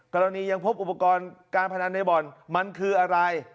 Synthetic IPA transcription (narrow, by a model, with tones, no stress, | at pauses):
kɔː˧ɾa˧niː˧ja˧ŋpʰo˦˥p̚ʔu˨˩pːa˧kɔː˧nkaː˧npʰa˧na˧nːa˧jbɔ˨˩nma˧nkʰɯː˧ʔa˧ɾa˧j